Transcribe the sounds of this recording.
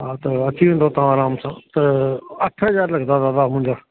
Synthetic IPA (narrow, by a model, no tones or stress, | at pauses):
ɦaːt̪ɐət͡ʃiʋẽːnd̪ot̪ɦãaːɾaːmsãːt̪ɐɐʈʰɦəzaːɾlɐɡd̪aːd̪aːd̪amʊ̃ɪ̃ɲd͡ʒaː